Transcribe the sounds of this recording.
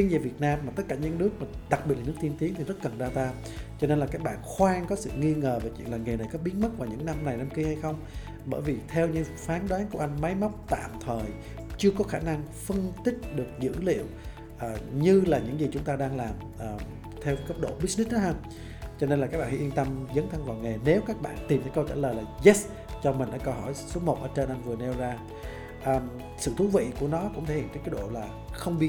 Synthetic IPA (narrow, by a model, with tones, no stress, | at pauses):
i˧nziː˨˩vi˨˩ət̚naː˧mːaː˨˩t̪ə˦˥t̚kaː˧˩ɲə˧nnɨ˦˥ək̚maː˨˩ɗa˨˩k̚ɓi˨˩t̚laː˨˩nɨ˦˥kt̪ʰi˧ənt̪i˨˦əŋt̪ʰi˨˩zt̚kə˨˩nzaː˧t̪aː˧ | t͡ɕɔ˧ne˧nlaː˨˩kaː˦˥k̚ɓa̰ː˧˨nxwaː˧ŋkɔ˨˦sɨ̰˧˨ŋi˧ŋəː˨˩vaː˨˩t͡ɕwḭ˧˨nlaː˨˩ŋe˨˩na˨˩jkɔ˨˦ɓi˨˦ənmə˦˥t̚vaː˨˩wɲɨ̰˧˥ŋna˧mna˨˩jna˧mki˧ha˧jxə˧wŋ͡m | ɓəː˧˩jvi˨˩t̪ʰɛ˧wɲɨ̰˧˥ŋfaː˨˦nɗwaː˨˦ŋku˧˩əʔa˧jŋ̟ma˨˦jma˦˥k͡p̚t̪a̰ː˧˨mt̪ʰəː˨˩j | t͡ɕɨ˧əkɔ˨˦xaː˧˩na˧ŋfə˧nt̪ï˦˥k̟̚ɗɨ˨˩ək̚zɨ̰˧˥lḭ˧˨əw | ʔːɲɨ˧laː˨˩ɲɨ̰˧˥ŋzi˨˩t͡ɕʊ˨˦ŋ͡mt̪aː˧ɗaː˧ŋlaː˨˩m | ʔəː˨˩ | t̪ʰɛ˧wkə˦˥p̚ɗo̰˧˨ɓi˦˥k̚ni˦˥ɗɔ˨˦ɦaː˧ | t͡ɕɔ˧ne˧nlaː˨˩kaː˦˥ɓa̰ː˧˨˩ha˧ʔə˧nt̪ə˧mzə˨˦nt̪ʰa˧˦ŋvaː˨˩wŋe˨˩ne˨˦wkaː˦˥k̚ɓa̰ː˧˨nt̪i˨˩mt̪ʰa˧˦kə˧wt͡ɕaː˧˩ləː˨˩jlaː˨˩zɛ˦˥s | t͡ɕɔ˧mï˨˩ŋ̟ɗa̰ː˧˥kə˧˩ɦɔ˧˩jsu˨˦əmo˨˩t̚ʔəː˧˩t͡ɕe˧nʔa˧jŋ̟vɨ˨˩əne˧wzaː˧ | ʔː | sɨ̰˧˨t̪ʰu˨˦vḭ˧˨ku˧˩ənɔ˨˦kʊ̰˧˥ŋ͡mt̪ʰe˧˩ḭ˧˨˦kːjɗo̰˧˨laː˨˩ | xə˧wŋ͡mɓi˦˧